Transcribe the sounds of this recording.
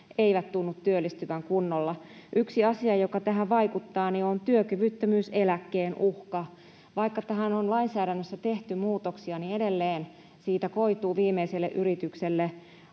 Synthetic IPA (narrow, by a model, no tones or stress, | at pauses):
eiʋæt̪t̪unːut̪tyølːist̪yʋæŋkunːolːɑʔyksiɑsiɑjokɑt̪æɦæʋɑikut̪ːɑːniont̪yøkyʋyt̪ːømyːselækːeːnʔuhkɑ | ʋɑikːɑt̪æɦænonlɑinsæːɾænːøsːæt̪eht̪ymuːt̪oksiɑniedelːeːn | siːt̪ækoit̪uːʋiːmeiselːḛʔyɾit̪ykselːe